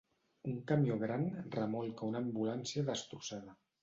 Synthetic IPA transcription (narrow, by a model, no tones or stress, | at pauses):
uŋkamjoɣ̞ɾanrəmɔlˠkaunaːmbulansiəðəst̪ɾusaðə